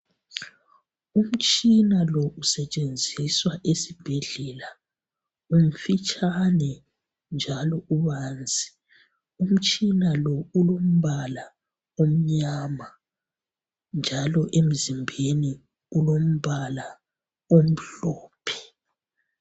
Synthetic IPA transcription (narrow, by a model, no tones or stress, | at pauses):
um̩t͡ʃʼinalɔʔusɛt͡ʃʼend͡zʱiswaʔesib̥ʱɛɮɛla | um̩fit͡ʃʼʰanɛ | nd͡ʒʱalɔuβaːnd͡zʱi | um̩t͡ʃʼinalɔulom̩βala | om̩ɲama | nd͡ʒʱalɔʔem̩zimbʱeni | ulom̩βala | om̩ɬɔːpʰɛ̥